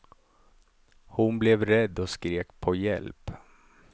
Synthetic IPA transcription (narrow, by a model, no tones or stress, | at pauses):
hʊnblɛvɾɛd̪ːɔskɾeːkpʰɔjɛ̰lp